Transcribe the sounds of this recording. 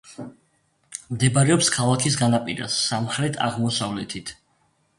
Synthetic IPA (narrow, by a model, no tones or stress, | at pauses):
md̪ɛbaɾɛɔpskʰalˠakʰis̬ɡanapʼiɾa̰sːamχɾɛt̪ʰa̰ʁmɔsavlɛt̪ʰit̪ʰ